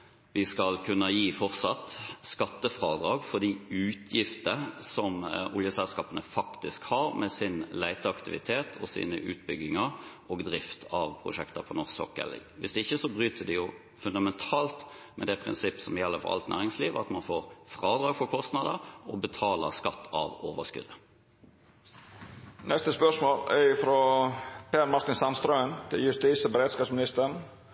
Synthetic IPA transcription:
ʋɪskɑlkʰʉnːəjiːfɔʁsɑt̪skɑt̪ːəfɾɑːd̪ɾɑːɡfɔʁd̪iːʉːt̪ʰjɪft̪əsɔmʊljəsɛlskɑːpənəfɑkt̪ɪskhɑːɾmʔɛsɪnlæɪt̪əɑkt̪ɪʋɪt̪ʰeːt̪ʰɔsḭːnə̰ʔʉ̰ːt̪̚bʏɡːɪŋəɾ | ɔːɡd̪ɾɪft̪ʰɑʋpʰɾʊ̰ʃɛkt̪əpʰɔnʊʁsɔkːə̰lʋɪsd̪ɛɪçːəsɔbɾyːt̪ʰəd̪ɛjʊ | fʉnd̪ɑmɛnt̪ʰɑːlt̪ | mɛd̪ɛpʰɾɪ̰nsɪpːə̥sɔmjɛlːəfɔ̰ʔɑ̰lt̪næ̰ːɾɪŋsliːʋɑ̰t̪mɑnfoːɾfɾɑːd̪ɾɑːɡfɔkʰɔst̪nɑd̪əɾɔbət̪ʰɑːlə̰ʁskɑt̪ːɑ̰ʋoːʋəskʉ̰d̪ə | nɛst̪əspœʂmoːlɛ̰ɾɪfɾopeːɾmɑɾt̪ɪnsɑnst̪ɾœʏnt̪ʰɪljʉst̪iːsɔbəɾeːd̪skɑːpsmɪnɪst̪əɳ

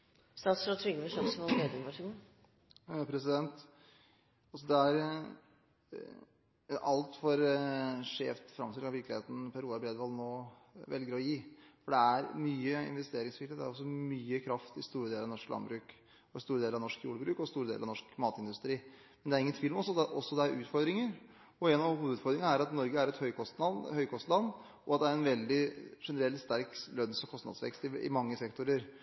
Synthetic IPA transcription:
st̪ɑːt̪sɾɔt̪ʰɾʏɡəəʂɑmsɔmɔeːd̪əmɑʂɪn | pʰɾɛsɪd̪ɛnt̪ | ɑlsɔd̪ɛæɾ | ʔɑlt̪fɔɾʂeːft̪fɾɑmt̪ʰɪləɑʋɪɾklɪeːt̪n̩pʰæɾuːɑbɾeːd̪ʋɑlnoː | ʋɛ̰lɡəɾɔjiːfɔɖɛæɾmyːəɪ̰nʋɛst̪eːɾɪŋsfɪləd̪æɾɔs̬ːɔmyːəkʰɾɑft̪ɪst̪uːɾəd̪eːlɾɑʋnɔʂklɑ̰nbɾʉːk | ɔst̪uːɾədeːlɾɑʋnɔʂkjṵːɽəbɾʉːkɔst̪uːɾəd̪ḛlɑnɔʂkmɑːt̪ɪnd̪ʉst̪ɾiː | mɛnd̪ɛæɾɪŋːənt̪ʰʋilmɔsɔd̪ʔɔsːɔd̪ɛæɾʔʉːt̪fɔɾd̪ɾɪŋəɾ | ɔenɑʋhuːəd̪əʉd̪fɔɾd̪ɾɪŋnæɾɑt̪nɔɾɡəæɾɛt̪hœʏkʰɔst̪ɑhœʏkʰɔst̪lɑnː | ɔɑt̪̚d̪ɛæɾɛnʋɛld̪ɪʂɛnəɾɛlt̪st̪æɾklœnsɔkʰɔst̪nɑ̰d̪sʋɛ̰kst̪ɪɪ̰mɑŋːəsɛkt̪ʊɾəɾ

